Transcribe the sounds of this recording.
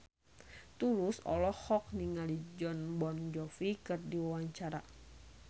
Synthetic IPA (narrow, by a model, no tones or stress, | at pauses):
t̪ulusɔ̰lɔhɔk̚niŋalid͡ʒɔnbɔnd͡ʒɔfikɨrdiwawaɲt͡ʃaɾa